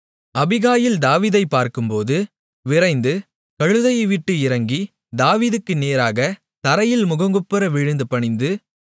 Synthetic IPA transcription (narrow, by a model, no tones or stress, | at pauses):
ʔɐbɪɣaːjɪld̪aːʋiːðɐɪpːaːɾkɯmpoːðɯ | ʋɪɾɐɪnd̪ɯ | kɐɻɯðɐjɐɪʋɪʈːɯɪɾɐŋɡi | d̪aːʋiːðɯkːɯneːɾaːɣɐ | t̪ɐɾɐjɪlmʊɣɐŋɡɯpːɯɾɐʋɪɻɯnd̪ɯpɐɳɪnd̪ɯ